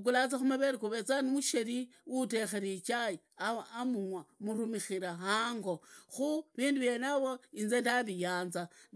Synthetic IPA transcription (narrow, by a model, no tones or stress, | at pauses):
k̬ulat͡saxumaβeɾikuβet͡sanimuʃeɾiwutexeɾit͡ʃaji | aːmuŋwamuɾumixiɾaɦaːŋɡo̞xuβiːnduβjenaβoinzendaβijaːnza